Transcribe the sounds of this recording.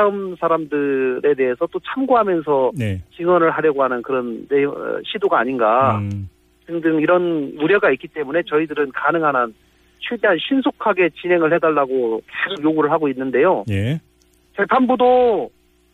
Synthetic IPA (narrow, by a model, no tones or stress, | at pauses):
aɯmsʰaɾamdɯɾʔe̞de̞ɦesʰʌt͈ot͡ɕʰamɡoɦamjʌnsʰʌt͡ɕiŋwʌnɯɭɦaɾjʌɡoɦanɯnkɯɾʌntḛɕʰidoɡaːɲinɡa | t͡ɕɯŋdɯŋiɾʌnuɾjʌɡaik͈it͈e̞mune̞t͡ɕʌidɯɾɯnkanɯŋɦanɦan | ɕʰɥideɦanɕʰinsʰokʰaɡe̞t͡ɕinɦe̞ŋɯɭhe̞daɭːaɡoke̞sʰokjoɡuɾɯɭɦaɡoinːɯnde̞joje | t͡ɕe̞pʰanbudo